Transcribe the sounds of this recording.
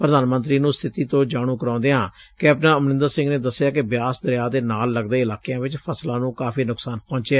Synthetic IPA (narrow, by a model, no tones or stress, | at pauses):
pɾəd̪aːnmə̃nt̪ɾiːnũːst̪ʰɪt̪iːt̪õːd͡ʒaːɽ̃ũːkəɾãːnd̪eːɦãːkɪəpnãːəmnɪ̃nd̪əɾsɪ̃ŋɡneːd̪əsːɪjaːkɪbjaːsd̪əɾjaːd̪eːnaːlːəɡd̪eːɪlaːkejãːʋɪt͡ʃpʰəslãːnũːkaːpʰiːnʊksaːnpɔ̃ːɲt͡ʃɛː